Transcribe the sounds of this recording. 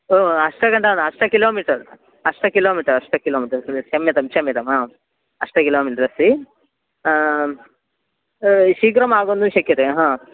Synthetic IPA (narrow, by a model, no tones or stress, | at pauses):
oɐʂʈɐkɐɳʈɐnɐʂʈɐkiloːmiːʈɐɾ | ɐʂʈɐkiloːmiːʈɐɾɐʂʈɐkiloːmiːʈɐɾt͡ʃɐmjɐt̪ɐmt͡ʃɐmjɛt̪ɐmaː | ɐʂʈɐkiloːmiːʈɐɾɐsi | ʃiːkɾɐmaːɡond̪uʃɐkːit̪eɦãː